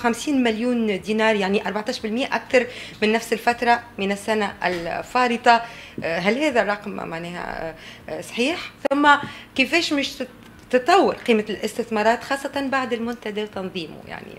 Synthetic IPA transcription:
xæmsiːnmɪljuːnd̪inɑːɾˤjaʕniʔɑɾˤbaʕt̪ˤɑːʃbɪlmjʔæʔækθɑɾˤmɪnːæfsɪlfæt̪ɾˤɑmɪnæsːænæʔlfɑːɾɨt̪ˤɑɦælɦɛːðærˤːɑqmmaʕnɛːhæ̰ | sˤħiːħθʊmːækɪfɛːʃmɪʃ | t̪ɨt̪ˤːɑwːɪɾqiːmalʔɪst̪ɪθmɑːɾˤɑːt̪xɑːsˤːɑt̪ɑnbaʕd̪ɪlmʊnt̪æd̪æt̪ɑnðˤiːmṵja̰ʕnḭ

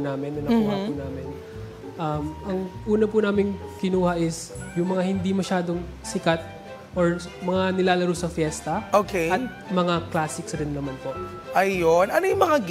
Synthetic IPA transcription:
naːmɪnːɐlɐuːhɐpuːnaːmɪn | ʔɐmʔɐŋʔuːnɐpunaːmɪŋkɪnuːhɐʔɪs | jʊŋmɐŋahɪnd̪imɐʃaːd̪o̞ŋ | sɪkɐt̪̚ | ʔoɹ | mɐŋanɪlaːlɐɾusɐfjɛst̪ɐʔoːkeɐt̪̚ | mɐŋaklaːsɪksɾɪnːɐmanpo̞ʔ | ʔɐjonɐnojʊŋmɐŋa

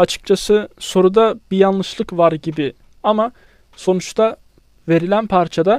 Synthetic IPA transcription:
at͡ʃʰɯ̥k̚t͡ʃʰasɯso̞ɾud̪abijanlˠɯʃlˠɯkvaɾɟibi | ama | so̞nut͡ʃt̪ʰa | ve̞ɾilʲænpʰaɾt͡ʃʰad̪a

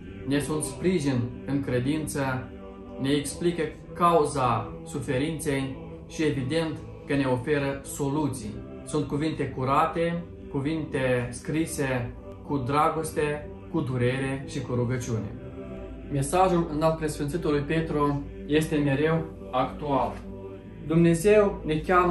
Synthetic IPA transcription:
ne̞sunt̪spɾiʒinɨŋkɾe̞d̪int̪sə | ne̞ːksplikə | kauza | sufe̞ɾint̪se̞j | ʃie̞vid̪e̞nt̪ | kəne̞o̞fe̞ɾəso̞lut̪sij | sunt̪̚kuvint̪e̞kuɾat̪e̞ | kuvint̪e̞skɾise̞ | kud̪ɾaɡo̞st̪e | kud̪uɾe̞ɾe̞ʃikuɾuɡət͡ʃiune̞̰ | me̞saʒulɨnalt̪̚pɾe̞sfint̪sit̪ulujpe̞t̪ɾo | je̞st̪e̞me̞ɾe̞w | akt̪ual | d̪umne̞ze̞wne̞kʲam

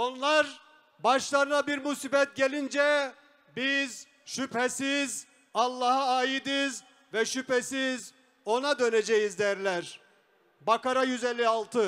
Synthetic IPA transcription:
o̞nlˠaɾ | baʃlˠaɾɯnabiɾmusiːbɛt̪̚ɟelʲind͡ʒɛ | biz | ʃyphesiz | alˠːahaaːjid̪iz | vɛʃypesiz | o̞nad̪ø̞ned͡ʒejizd̪æɾlʲæɾ | bakaɾajyzelʲːialˠt̪ʰɯ

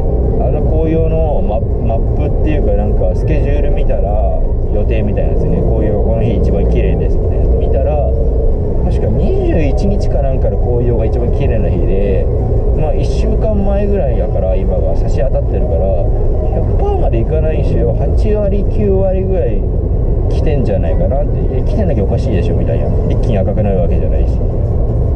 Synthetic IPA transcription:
anoko̞ːjo̞ːno̞ | ma | mapːɯ̟t̪ːe̞jɯ̟kanãŋkasɨ̥kʲe̞ʑɨːɾɯ̟mʲit̪aɾa | jo̞t̪e̞ːmʲit̪aḭnad̪esɨoneko̞ːjoːjkanoçʲiːt͡ɕibãŋkʲiɾe̞̰ːnd̪e̞sɨ̥t̪ːemʲit̪aɾa | t̪aɕi̥kaɲɲ̟iʑɨːit͡ɕiɲ̟it͡ɕi̥kanãŋkaɾako̞ːjo̞ːɡait͡ɕibãŋkʲiɾe̞ːnaçḭd̪e̞ | maiɕːɨːkãmːae̞ɡɯ̟ɾaijakaɾaimaɡasaɕiat̪at̪ːe̞ɾɯ̟kaɾa | çakɯ̟̥pamad̪e̞ikanaiɕijohat͡ɕiβaɾʲikʲɨːβaɾʲiɡɯ̟ɾai | kʲi̥t̪ẽ̞ɲ̟d͡ʑanaikanat̪ːeekʲi̥t̪end̪akʲaokaɕiːd̪e̞ɕio̞mit̪aḭna̰ɾʲikʲːiɲ̃akakɯ̟naɾɯ̟βake̞d͡ʑa̰na̰iɕi̥

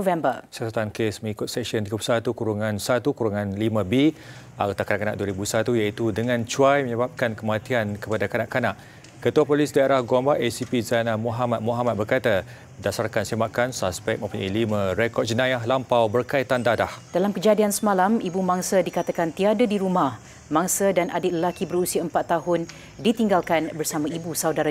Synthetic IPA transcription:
vɛmbəsasat̪ankesməŋikʊt̪̚sɛkʃənt̪iɡəpusat̪ukuɾuŋãnsat̪ukuɾuŋãnlimə̃bi | aɡot̪akanaʔkanaʔ̚duaɾibusat̪ujait̪udəŋãnt͡ʃuajməɲəbap̚kankəmat̪iankəpadakanaʔkanaʔ | kət̪uapolisdaeɾahɡɔmbaʔesipizanamuɦamat̪̚muɦamat̪̚bərkat̪a | dasarkansimakansaspɛk̚mə̃mpuɲailimãɾekɔt̪̚d͡ʒənãjaɦlampawbərkait̪andadahd̥alamkəd͡ʒadiansəmalamibumãŋsədikat̪akant̪iadədiɾumah | maŋsədanʔadɪt̪̚ləlakibəɾusiaəmpat̪ːaɦʊn | dit̪iŋɡalkanbərsamãibusawdaɾa

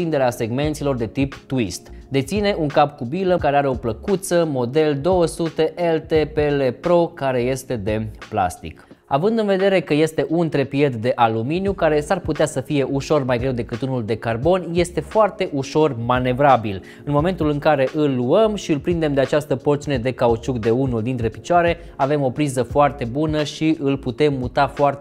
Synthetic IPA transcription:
ind̪e̞ɾease̞ɡme̞nt̪silo̞rd̪e̞t̪ipt̪uist̪d̪e̞t̪sine̞ʔuŋkapkubiləkaɾeaɾe̞o̞pləkut̪səmo̞d̪e̞ld̪o̞wəsut̪e̞ʔelt̪epelepɾo̞kaɾe̞je̞st̪e̞d̪e̞pla̰st̪ḭk | a̰vɨnd̪ɨnve̞d̪e̞ɾe̞kəje̞st̪e̞ʔunt̪ɾe̞piet̪d̪e̞ʔaluminjukaɾe̞sarput̪easəfije̞ʔuʃo̞rmajɡɾe̞wd̪e̞kɨt̪unuld̪e̞karbo̞nje̞st̪e̞foart̪e̞ʔuʃo̞rmane̞vɾabil | ɨnmo̞me̞nt̪ulɨŋkaɾe̞ʔɨlːuəmʃiɨlpɾind̪e̞md̪eat͡ʃast̪əpo̞rt̪siuned̪e̞kaut͡ʃukd̪e̞unuld̪int̪ɾe̞pit͡ʃaɾe̞ | ave̞mo̞pɾizəfoart̪e̞bunəʃiʔɨlput̪e̞mːut̪afoar

